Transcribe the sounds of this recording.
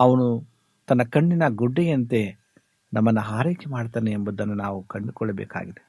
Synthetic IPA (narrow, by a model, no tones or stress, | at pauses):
ɐʋɐnu | t̪ɐnːɐkɐɳːinɐɡuɖːɛjɐnt̪e̞ | nɐmːɐnːɐɦaːɾeːt͡ʃɐmaːɽt̪aːneːmbud̪ɐnːunaːʋukɐɳɖukɔɭːɐbɛ̰ːka̰ːɡid̪e